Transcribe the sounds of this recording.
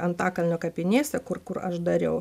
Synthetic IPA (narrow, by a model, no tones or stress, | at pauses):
ɐnt̪ɑːkɐlʲnʲoːkɐpʲɪnʲiːst̪ʲɛkʊrkʊɾɐ̰ʃd̪ɐɾʲɛʊ